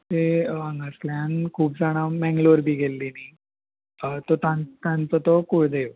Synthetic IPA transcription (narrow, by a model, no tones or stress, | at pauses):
t̪eʋãŋɡəsljãnkʰuːp̚d͡zaɽ̃amɛ̃ŋɡloʋɾbʱiːɡelːini | t̪ɔt̪ãnt̪ãnt͡sət̪ɔkuɽ̤d̪eʋ